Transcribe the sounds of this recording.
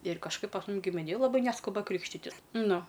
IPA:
ɪr kɐʃˈkɐɪp pɐs ˈmʊm ɡʲɪmʲɪˈnʲeːj lˠɐˈbɐɪ ˈnʲæːskʊbɐ ˈkrʲiːkʃʲtʲɪtʲɪs ˈnʊ

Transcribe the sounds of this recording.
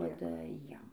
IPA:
ˈduɔdɐ ˈjiɛm

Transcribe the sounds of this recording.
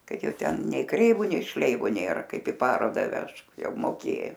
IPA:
ˈkɐt ˈjɛʊ ˈtʲɛn nʲɛɪ ˈkrʲɛɪʋʊ nʲɛɪ ˈʃʲlʲɛɪʋʊ ˈnʲeːrɐ ˈkɐɪp ɪ ˈpɑːroːdɐ ˈʋʲɛʃk ˈjɛʊ moːˈkʲeː

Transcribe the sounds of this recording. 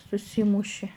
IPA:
sʊˈsʲiːmʊʃʲɪ

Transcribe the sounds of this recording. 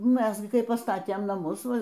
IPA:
ˈmʲɛs ɡʲɪ kɐɪ pɐˈstɑːtʲeːm nɐˈmʊs ˈʋɐ

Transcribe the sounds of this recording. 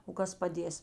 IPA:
oː ˈkɐs pɐˈdʲeːs

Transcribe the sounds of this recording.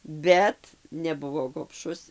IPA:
ˈbʲɛt nʲɛˈbʊʋoː ɡoːpˈʃʊs

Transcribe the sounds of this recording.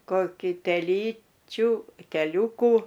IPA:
koːˈkʲiː tʲɛˈlʲiːt͡ʃʲʊ tʲɛˈlʲuːkuː

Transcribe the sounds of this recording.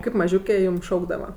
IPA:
ˈkɐɪp mɐˈʒʲuːkʲeː ˈjuːm ˈʃɐʊɡdɐʋɐ

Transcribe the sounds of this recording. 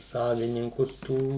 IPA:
ˈsɑːʋʲɪnʲɪŋkʊs ˈtuː

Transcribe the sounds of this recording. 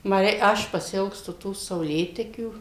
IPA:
ˈmɐ ˈrʲɛɪ ˈɐʃ pɐsʲɪˈɪlˠkstʊ ˈtuː sɐʊˈlʲeːtʲɛkʲuː

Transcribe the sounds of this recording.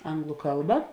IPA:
ˈɐŋɡlˠʊ ˈkɐlˠbɐ

